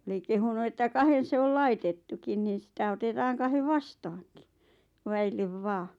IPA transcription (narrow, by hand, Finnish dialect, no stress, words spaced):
oli kehunu etːæ kɑhen̞ se ol lɑitetːukin niːn̞ sitæ otetɑːŋ kɑheʋ ʋɑstɑːŋki ʋæilːeʋ ʋɑː